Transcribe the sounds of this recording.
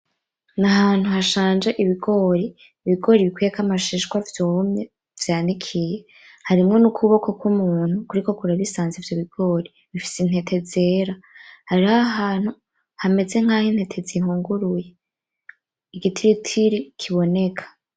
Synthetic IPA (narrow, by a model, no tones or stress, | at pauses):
naɦaːn̥huhaʃaːnd͡ʒe̞ʔiβiɡo̞ɾi | iβiɡo̞ːɾiβikwijekamaʃiʃɡwavjoumɲe | vjaːndikʰije̞ | haɾimŋo̞nukʰuβo̞ko̞kwumuːn̥hukuɾiko̞kuɾaβisaːnzevjoβiɡ̥o̞ɾi | βifi̥sin̥he̞tʰe̞ze̞ːɾahaɾiaɦaːn̥hu | hame̞ze̞ŋ̥hahin̥he̞tʰe̞zihuːŋɡuɾuje | iɡitʰiɾitʰiɾikʰiβo̞ne̞kʰḁ